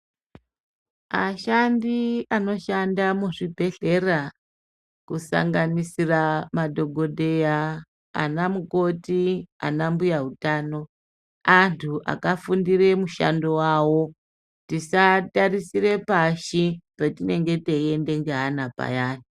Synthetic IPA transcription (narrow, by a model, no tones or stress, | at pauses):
maʃandiano̞ʃandamuʐibʱe̞ɬe̞ra | kusa̰ŋɡanisiramadʱo̞ɡʱo̞de̞ja̰ː | namuko̞tia̰nambujaɦutaːno̞ | antʰuʔa̰kafundiɾe̞muʃa̰ndo̞wawo̞ | tisatarisire̞paʃipetine̞ŋɡe̞teje̞nde̞ŋɡe̞ɦanapa̰jaːni